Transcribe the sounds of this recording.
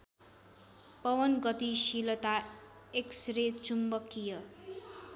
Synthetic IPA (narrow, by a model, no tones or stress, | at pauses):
pʌwʌnɡʌt̪isilʌt̪a | eksret͡sumbʌkːijʌ